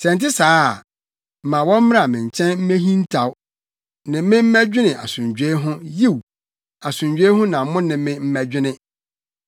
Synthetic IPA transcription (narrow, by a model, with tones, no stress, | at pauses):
sɛ̃˨n˨tɪ˦saː˨˦˨ | m̩˨mã˨wɔ̃˦m̩˦m̃˦a˨mɪ̃˨ɲ˨t͡ɕʰɛ̃˦nm̩˦mẽ˦ɦĩ˦n˦tʰa˨w | nɪ̃˨˦mɪ̃˦m̩˦mæ˦d͡ʑᶣɪ˦nɪ̃˨ʔa˨sʊ̃˨ɲd͡ʑᶣe˦ɦʊ̃˦ji˦w | a˨sʊ̃˨ɲd͡ʑᶣe˦hʊ̃˦nã˨m˦mʊ̃˦nɪ̃˨mɪ̃˦m̩˦mæ˦d͡ʑᶣɪ˦nɪ̃˦